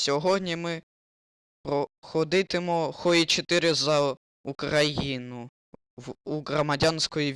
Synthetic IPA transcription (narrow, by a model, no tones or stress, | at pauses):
sʲɔɦɔdʲnʲimɪ | pɾɔxɔd̪ɪt̪ɪmɔxɔit͡ʃɔt̪ɪɾɪzɐ | ukɾɐjinʊ | wuɦɾɔmɐdʲansʲkɔjiʋ